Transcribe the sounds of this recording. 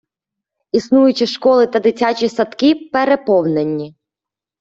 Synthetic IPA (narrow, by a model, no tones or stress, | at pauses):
isnujʊt͡ʃɪʃkɔlˠɪt̪ɐd̪ɪt͡sʲat͡ʃʲisɐt̪kipeɾepɔwnenʲːi